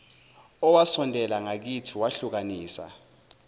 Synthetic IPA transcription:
ɔwasɔndʱɛlaŋak̬itʰiwaɬuk̬aniːsa̰

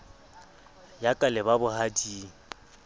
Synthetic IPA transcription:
jakʼalɪbabʊhadiːŋ̩

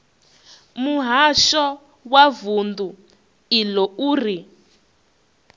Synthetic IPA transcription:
muɦaʃɔ | wavundu | ilɔuːri

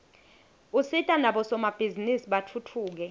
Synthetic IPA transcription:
usitʼanaɓɔsɔmab̥ʱizinisiɓatʰutʰuːk̬ɛ

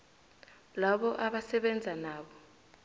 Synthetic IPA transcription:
laɓɔʔaɓasɛɓɛnd͡zʱanaːɓɔ

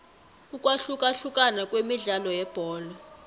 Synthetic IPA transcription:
ukʼwaɬukʼaɬukʼanakʼwemiɮalɔjɛb̥ʱɔːlɔ

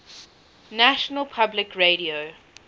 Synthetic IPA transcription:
næʃənəlˠpʰablɪkɹeɾio

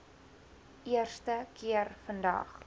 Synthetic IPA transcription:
ʔiərstəkiərfəndɐ̰χ

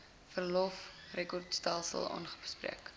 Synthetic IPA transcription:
fərlɔfrekɔrtstɛlˠsə̰lˠɑ̰ːnχəbəsprḭək

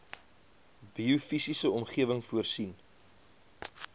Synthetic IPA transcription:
biufisisəɔmχiəvəŋfuərsin

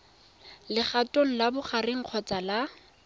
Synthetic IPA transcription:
lɪχatoŋ̩labʊχarɪŋ̩q͡χʰɔt͡sala

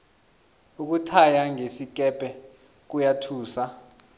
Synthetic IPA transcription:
uk̬utʰajaŋesik̬ʼɛpʼɛ | k̬ujatʰuːsa

